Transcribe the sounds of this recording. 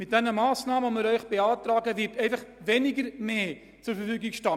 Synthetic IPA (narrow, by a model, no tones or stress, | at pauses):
mɪt̚d̥ɛnəmɑːsnɑːməməɾœɥχb̥eɑːtrɑːɡəvitʰɛɪnfɐχveːniɡərmeː | t͡sʊrfəfyːɡiŋʃtɑ